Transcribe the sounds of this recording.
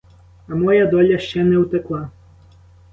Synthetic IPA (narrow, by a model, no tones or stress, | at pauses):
ɐmɔjad̪ɔlʲɐʃt͡ʃɛnɛwt̪ɛklˠa